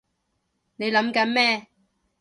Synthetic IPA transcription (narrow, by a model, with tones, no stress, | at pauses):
ne˨˧jlɐ˨˥mkɐ˨˥nmɛː˥